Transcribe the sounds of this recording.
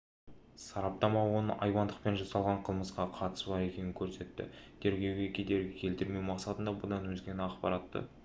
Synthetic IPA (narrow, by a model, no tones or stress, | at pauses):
sɑɾɑp̚t̪ɑmɑwo̞nə̰ʔɑjwɑnd̪əq̚pe̞nʒɑsɑlˠʁɑɴqʰəlˠməsqɑqʰɑt̪ə̥sbɑɾe̞kʲenɪŋkʲʰɵɾse̞t̪ːɪ̰t̪ʰe̞ɾɡʲe̞wɡʲe̞kʲʰed̪e̞ɾɡʲɪkʲʰe̞lt̪ɪɾme̞wmɑqsɑt̪ənd̪ɑbʊd̪ɑnwɵzɡʲe̞nɪɑqpɑɾɑt̪ːə̰